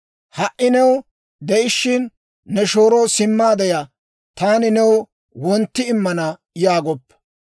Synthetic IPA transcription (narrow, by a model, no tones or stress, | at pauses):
hɐʔːɪnɛw | d̪ɛʔɪʃːɪnː | ɛʃoːɾɔwsɪmːaːd̪ɛja | t̪aːnɪnɛw | wɔnt̪ːɪɪmːɐnɐ | jaːɡɔpː